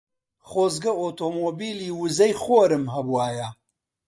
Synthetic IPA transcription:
χoːzɡɐoːt̪oːmoːbiːliːwɨzɐjχoːɾɨmɦɐbuwaːjɐ

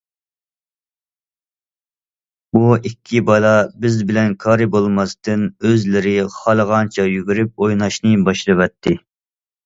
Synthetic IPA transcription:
buikʲʰːibɑlˠɑbɪzbɪlɛnkʰɑːɾɨbolˠmɑst̪ɨnøzlɪɾɪχɑlˠəʁɑnt͡ʃʰɑjyɡʲyɾyp̚ojnɑʃnɨbɑʃlˠɨvɛt̪ʰːɪ

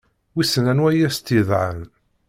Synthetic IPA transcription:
wisənænwæjæst̪iðˤʕə̰n

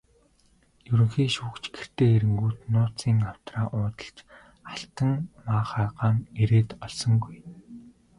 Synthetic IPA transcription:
jɵɾɵ̆ŋxiːʃuːkt͡ɕɡer̥t̪eːeɾɘ̆ŋɡuːt̪nʊːt͡siːŋaw̥t̪raːʔʊːt̪ə̥̆ɬt͡ɕ | aɬt̪ə̆ŋmaːχaːɢaːŋeɾeːt̪ɔɮsɞ̆ŋɡuj

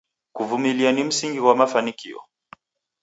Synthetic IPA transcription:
kuvumilianim̩siŋɡiwamafanikiɔ̰

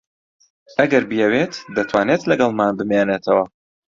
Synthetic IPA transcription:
ɐɡɐɾbɨjɛwet̪d̪ɐt̪ʰwaːnet̪lɐɡɐlˠmaːnbɨmenet̪ʰɐwɐ

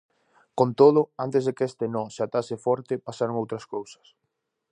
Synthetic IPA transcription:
kont̪oð̞ʊant̪ɪzðɪkest̪ɪnɔsat̪asɪfɔɾt̪ɪpasaɾoŋowt̪ɾɐskowsɐ̥s

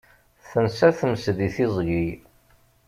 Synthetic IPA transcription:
θənsæθəmsðiθizˤʝij

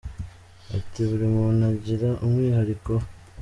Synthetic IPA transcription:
a̰tiβuɾimunaɟiɾaʔumŋiːɦaɾiko̞

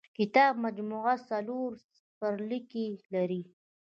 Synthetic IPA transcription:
kɪt̪ɑb̚mad͡ʒmuɣasaloɾ | pəɾlikelaɾi

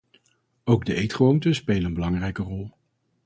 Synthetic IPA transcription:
owɡdəʔejtχʋowntəspejləənbəlɑŋrɛjkərɔlˠ

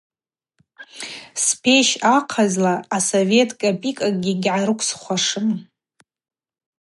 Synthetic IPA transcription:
spʰe̞ʃaqʰazlaːsove̞tʼkʼapʼikʼaɡʲiɡʲʕaɾɨkʷʰʼsχʷaʂɨm

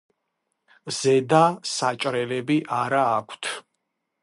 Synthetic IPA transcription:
z̥ɛd̪asat͡ʃʼɾɛlɛbiʔaɾaːkʷʰt̪ʰ

